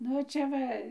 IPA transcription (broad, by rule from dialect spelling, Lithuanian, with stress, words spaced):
ˈnʊ ˈt͡ʃʲɛ ˈʋɐ